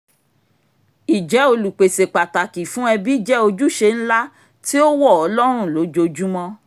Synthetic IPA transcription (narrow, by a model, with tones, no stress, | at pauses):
i˨d͡ʒɛ˨˦o˧lu˨k͡pe˨se˨k͡pa˨ta˨ki˨fũ˦ɛ˧bi˦i˦˨d͡ʒɛ˦o˧d͡ʒu˦˨ʃe˧n̩˦la˦ | ti˦o˦wɔ˦˨ɔ˨˧˦lɔ˦ɾ̃ũ˦˨lo˨˦d͡ʒo˧d͡ʒu˦mɔ̃˦